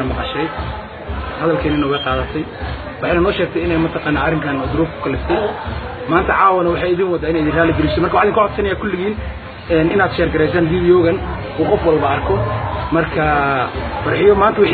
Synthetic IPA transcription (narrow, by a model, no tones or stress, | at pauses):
ɐmɑqɑʃɛj | hɐðɐlkʰɛːnɪnɐʊɣɐqɑːðɐt̪ʰɛj | wɑħɑjnɐnɔːʃɛːk̚t̪ʰɛjɪnɛjmɐt̪ʰɐqɑːnːaːɐrɪmkʰaːnɔd̪ʊɾuːfkʰʊ̥kʰɐlɪft̪ʰɛj | maːnt̪ʰɐʕɑːwɐnɐwɑħɑːɪðiːnwɐd̪aːɪnɛɪðiːnraːlɪɡɛlɪʃɔmɐrkawħðiŋkʊʕɔd̪sɐnɐjaːkʰʊlːɪɣiːn | ɛːnɪnaːd̪ʃɛːrɡɐɾɛjs̬aːnviːðijɔːɣɐn | uːqɔfwɐlbɐɐrkʰɔmɐrkʰɐ | fɐrħɪjɔmaːnt̪ɐwħ